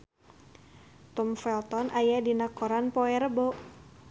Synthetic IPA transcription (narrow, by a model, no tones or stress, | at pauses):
t̪ɔmfɛlt̪ɔnʔajadinakɔɾanpoɛɾəbo